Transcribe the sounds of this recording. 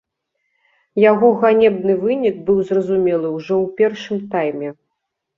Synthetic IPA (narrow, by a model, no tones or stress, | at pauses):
jaɣɔɣanʲɛbnɨvɨnʲikbɨwzrɐzumʲɛlˠɨwʐɔwpʲɛrʂɨmt̪ajmʲɛ